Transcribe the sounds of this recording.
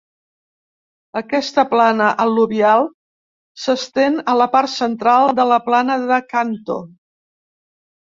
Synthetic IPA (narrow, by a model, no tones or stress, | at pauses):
əkɛst̪əplanəʔəluβialˠ | səst̪enələpart̪sənt̪ɾalˠd̪ələplanəðəkant̪o̰